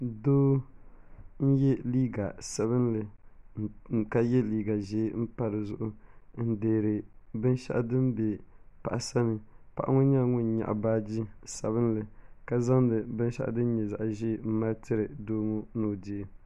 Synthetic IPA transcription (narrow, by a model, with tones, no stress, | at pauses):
doː˦ | n̩˦jɛ˦liː˦ɡa˨sa˨βɨ˦n˦lɨ˨ | ka˦jɛ˦liː˦ɡa˨ʒe˦m̩˦pa˦ɾɨ˨zʊ̰˦˨ʔʊ˦n̩˦deː˨ɾɨ˨bɨ˦n˦ʃa̰˦ʔa˦dɨ˦mbe˨pa̰˨ʔa˨sa˦nɨ˨pa̰˨ʔa̰˦ŋʊ˦ɲa˦˨ŋʊ˦n˨ɲa̰˨ʔa̰˨baː˦d͡ʒi˦sa˨βɨ˦nlɨ˨ka˦za˦ŋ˦lɨ˨bɨ˦n˦ʃa̰˦ʔa̰˦dɨ˦n˦ɲɛ˨za̰˨ʔʒe˦˨m̩˦ma˦ltʰɨ˦ɾɨ˨doː˦ŋo˦noː˨di˦e˦